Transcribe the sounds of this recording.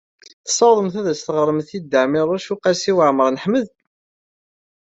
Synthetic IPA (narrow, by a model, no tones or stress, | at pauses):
θə̥sːɑwðˤəmθæðæst̪əʁəɾˤəmθid̪ːəʕmɪɾˤʊʃuqæsiwəʕməɾˤnəħməð